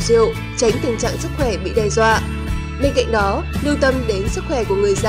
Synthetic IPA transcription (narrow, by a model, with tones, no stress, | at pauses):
zḭ˧˨əw | t͡ɕa˨˦jŋ̟t̪ï˨˩ŋ̟t͡ɕa̰ː˧˨ŋsɨ˦˥k̚xwɛ˧˩ɓḭ˧˨ɗɛ˧jzwaː˧˨ | ɓe˧nka̰˧˨jŋ̟ɗɔ˨˦lɨ˧wt̪ə˧mɗe˨˦nsɨ˦˥t̚xwɛ˧˩ku˧˩əŋɨ˨˩əjza˧